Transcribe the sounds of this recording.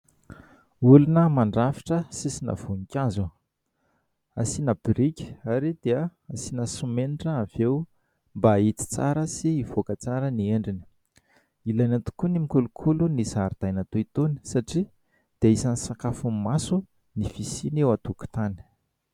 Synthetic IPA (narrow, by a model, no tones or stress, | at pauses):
ulunəmaɳɖ͡ʐafi̥ʈ͡ʂəsisina̰v̥uŋikʲazu | asinab̥iɾikʲi̥aɾid̪̥eəasinəsumeniʈ͡ʂəːv̥ew | mbait̪i̥t͡sa̰ɾəsiːv̥okət͡saɾənieɳɖ͡ʐinə̥ | ilajnat̪u̥kunimikulukʰulunisaɾid̪̥ajnat̪oit̪oni̥saʈ͡ʂi | d̪̥eaisanisakafumasu | nifisinewat̪uku̥t̪ani̥